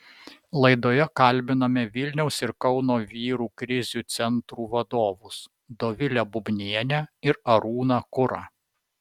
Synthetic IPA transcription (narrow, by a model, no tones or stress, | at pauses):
lˠɐɪd̪oːjɛkɐlʲˑbʲɪnɐmʲɛʋʲɪlʲnʲɛʊsɪɾkɒʊnoːʋʲiːɾuːkɾʲɪzʲut̪sʲɛnt̪ɾuːʋɐd̪oːʋʊs | d̪oːʋʲɪlʲɛbʊbʲnʲiɛnʲɛɪɾɐɾuːnɑkʊɾɑː